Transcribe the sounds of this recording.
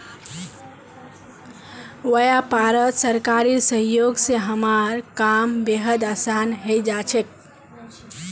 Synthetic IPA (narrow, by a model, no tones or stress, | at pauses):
wəjapaɾət̪səɾkaɾisəɦjoɡseɦəmaɾkambeɦəd̪asanɦejd͡ʒat͡ʃʰek̚